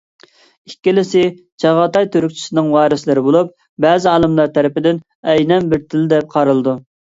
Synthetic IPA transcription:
ikʲːilɪsɪ | t͡ʃʰɑʁɑt̪ɑjt̪ʰøɾyk̚ʲt͡ʃʰi̥sɪnɨŋwɑːɾɨslɪɾɪbolˠup̚ | bɛːzɪɑːlˠɨmlˠɑɾt̪ʰæɾɪpɪd̪ɪn | ɛjnɛnbɪɾt̪ʰɪlɪd̪ɛp̚qʰɑɾɨlˠɨd̪u

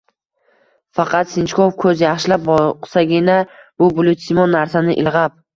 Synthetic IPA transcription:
fɑqʰɑt̪sɪnt͡ʃkʰofkʰɵzjɑχʃɪlap̚bɔqsaɡʲɪnab̥ʊbʊlˠʊt̪sɪmɒnːaɾsanɪʔɪ̰lˠʁɑp̚

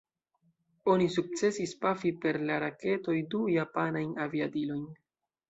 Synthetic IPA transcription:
o̞nisuk̚t͡se̞sispafipe̞ɾlaɾake̞to̞jdujapanajnaviadilo̞jn

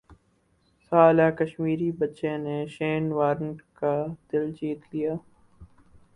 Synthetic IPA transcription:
saːlaːkɐʃmiːɾibɐtːʃẽneʃeːnʋaːɾəɳʈkad̪̥ɪld͡ʒiːt̪lijaː

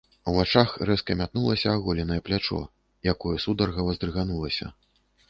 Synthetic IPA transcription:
uat͡ʂaxrɛskɐmʲat̪̚nulˠɐsʲɐaɣɔlʲinɐjɛplʲat͡ʂɔ̰ | jakɔjɛsud̪ɐrɣɐvɐzd̪ɾɨɣanulˠɐsʲɐ̰

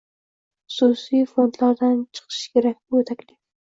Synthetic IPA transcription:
χʊsusijfond̪laɾd̪ant͡ʃʰɨ̥qʰɨ̥ʃkʲʰe̞ɾak̚ʲbʊjot̪ʰakʲlʲɪ

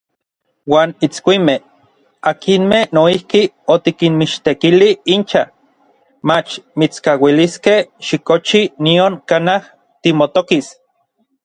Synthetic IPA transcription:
waːnit͡skʷimeh | akinmehnoihki | ot̪ikinmiʃt̪ekiliint͡ʃa | mat͡ʃmit͡skawiliskehʃikot͡ʃinioŋkanah | t̪imot̪okis

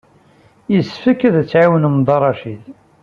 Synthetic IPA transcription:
jəsfəkːæðæt͡sːʕawnəmd̪ˤɑrˤɑʃil

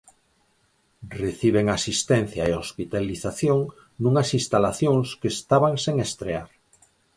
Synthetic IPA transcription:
reθiβ̞eŋasist̪ɛn̟θjaeospit̪aliθaθjõŋ | nũŋɐsĩnst̪alaθjõŋskest̪aβaŋseŋest̪ɾeaɾ

